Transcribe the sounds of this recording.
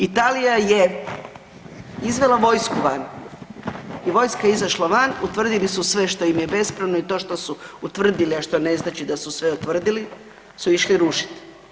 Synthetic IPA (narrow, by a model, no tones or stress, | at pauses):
it̪alijaje | izʋe̞laʋo̞jskuʋan | iʋo̞jskaizaʃlaʋanut̪ʋr̩d̪ilisusʋe̞ʃt̪o̞jimjebe̞spɾaʋnoit̪o̞ːʃt̪o̞suut̪ʋr̩d̪iliaʃt̪o̞ne̞znat͡ʃid̪asusʋe̞ut̪ʋr̩d̪ili | suiʃliɾuʃi̥t̪i̥